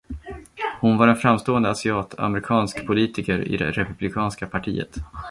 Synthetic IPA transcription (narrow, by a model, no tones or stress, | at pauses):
hʊnvaɾɛnfɾamst̪oːənd̪əasɪɑːt̪ʰa̰mɾɪkʰɑːnskpʰʊliːt̪ɪkəɾɪ̰d̪ɛ̰ɾɛpɵblɪkʰɑːnskapʰaʈʰḭːə̰t̪